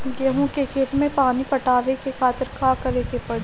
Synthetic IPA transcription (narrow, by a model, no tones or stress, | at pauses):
ɡɐɦõkekʰeːt̪mẽpaːnipɐʈaːʋekekʰaːt̪ɪɾkʰaːkɐɾekepɐɽ